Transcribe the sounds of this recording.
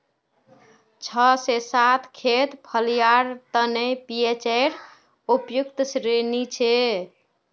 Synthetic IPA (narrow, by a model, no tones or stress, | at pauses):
t͡ʃʰəsesat̪ʰkʰet̪pʰəlijaɾt̪ənepiet͡ʃeɾ | upjukt̪sɾenit͡ʃʰe